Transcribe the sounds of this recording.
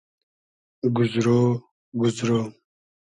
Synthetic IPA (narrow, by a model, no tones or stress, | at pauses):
ɡʊzɾo | ɡʊzɾo